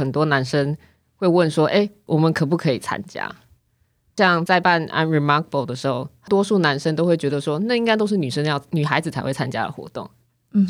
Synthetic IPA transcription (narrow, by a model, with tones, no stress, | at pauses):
ə˨˩nt̪wɔ˥na˧˦nʂə˦ŋ | xwe˥ɪwə˥˩nʂwɔ˦˥ʔe˥˩ɪwʔɔ˨˩mə˨nkʰɤ˨˩p̬u˥˩kʰɤ˧˥i˨˩t͡sʰa̰˦nt͡ɕja̰˥ | ɕɑ˥˧ŋt͡sa˥˧ɪpa˥˨nʔa̰˥nɹi˧˥mɑ˥kʰbo˥˩ʊd̪ə˩ʂɻ̩˧˥xo˥˧˩ʊt̪wɔ˥ʂu˥˩na˧˦˥nʂə˥ŋt̪o˥ʊxwe˥˩t͡ɕɥɛ˧˥d̪ə˧ʂwɔ˦˥na˥˨i˥ŋka˥ɪt̪̬o˥ʊʂ̬ɻ̩˥˩ny˨˩ʂə˥ŋljɑ˥˩ʊny˨˩xa˧˥ɪd͡zɹ̩˨t͡sʰa˧ɪxwe˥˩ɪt͡sʰa˥nt͡ɕja̰˥d̪ə̰˩xwɔ̰˧˥t̪ʊ̰˥˩ŋ̩˨